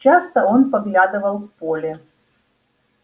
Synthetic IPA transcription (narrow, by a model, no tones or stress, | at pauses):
t͡ɕast̪ɐonpɐɡlʲad̪ɨvɐlˠfpolʲe